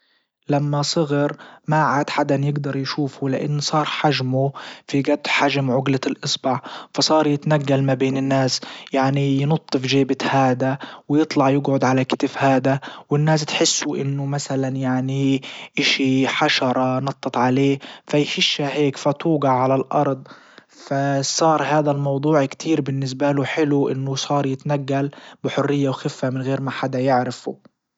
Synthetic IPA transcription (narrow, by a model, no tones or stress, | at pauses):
lamːasˤɨɣɨɾmaʕad̪ħad̪anjɪɡd̪ɑɾˤjʃuːfulɪʔɪ̰nːsˤɑːɾˤħaʒmufiɡad̪ːħaʒmʕʊɡlalʔɨsˤbɑʕfɑsˤɑːɾˤjɪt̪naɡːalmabeːnɪnːaːsjaʕnijnʊt̪ˤːɨfʒeːbɪt̪haːd̪awjɨt̪ˤlɑʕjɪɡʕʊd̪ʕalakɪt̪ɪfhaːd̪awɪnːaːs̬t̪ħɪsːuʔɪnːʊmasalanjaʕniʔɪʃiħaʃɑɾˤɑnɑt̪ˤːɨt̪ˤʕaleːfajħɪʃːaheːkfat̪uːɡɑʕːalalʔɑ̰ɾˤd̪ˤ | fasˤɑːɾˤhaːd̪almɑwd̪ˤuːʕkt̪ʰiːɾbɪnːɪs̬baluħɪluʔɪ̰nːʊsˤɑːɾˤjɪt̪naɡːalbɪħʊrːɪjːawxɪfːamɪnɣeːɾmaħad̪ajɪʕɾɪfu